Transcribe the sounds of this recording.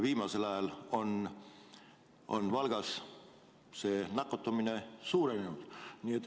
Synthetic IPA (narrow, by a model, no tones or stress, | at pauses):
viːmɑse̞lɑjɑlo̞n | ʔo̞̰nvɑlɡ̥ɑs | se̞ːnɑkːˑot̪ːˑɑmine̞suːɾenenud̪̥niet̪ː